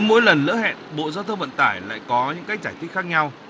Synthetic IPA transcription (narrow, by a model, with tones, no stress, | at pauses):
mo̰˧˥jlə˨˩nlɨ̰˧˥ɦɛ̰˧˨nɓo̰˧˨zaː˧wt̪ʰə˧wvə̰˧˨nt̪aː˧˩jla̰ː˧˨jkɔ˨˦ɲɨ̰˧˥ŋkaː˨˦jt͡ɕaː˧˩t̪ʰi˦˥t̚xaː˦˥k̚ɲa˧w